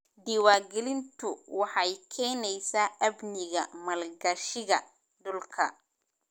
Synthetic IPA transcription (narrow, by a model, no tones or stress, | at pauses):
d̪iːwaːɡɛlɪnt̪ʰʊwɑħɑjkʰɛːnɛjsaːʔɐbnɪɣɐmɐlɡɐʃɪɣɐ | dʊlkʰɐ